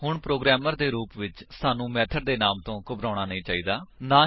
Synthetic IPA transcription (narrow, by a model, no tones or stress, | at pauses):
hʊɳpɾoːɡɾɛːməɾd̪eːɾuːpʋɪt͡ʃsaːnũːmɛːt̪ʰəɖ̚d̪eːnaːmt̪õːkʊbɾãːɽ̃aːnəĩːt͡ʃaːiːd̪aːnãː